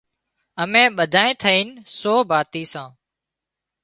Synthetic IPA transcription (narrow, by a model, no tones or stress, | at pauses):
əmẽːɓəd̪ʱaːẽːt̪ʰəiːnsoːbʱaːt̪iːsãː